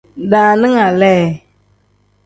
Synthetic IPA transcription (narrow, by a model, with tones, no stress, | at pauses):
daː˨nɪ˦ŋa˨lɛː˦˨